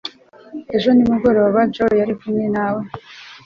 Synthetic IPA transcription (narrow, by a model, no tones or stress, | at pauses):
e̞ʒo̞nimuɡo̞ɾo̞ːβad͡ʒojaɾikumɲenawe